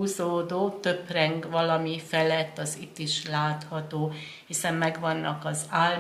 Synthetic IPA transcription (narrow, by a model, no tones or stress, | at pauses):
uzoːd̪oːt̪øprɛŋɡʋɒlɒmifɛlɛt̪ːɒzit̪ːiʃlaːt̪hɒt̪oː | hisɛmmɛɡʋɒnːɒ̰kɒzaːl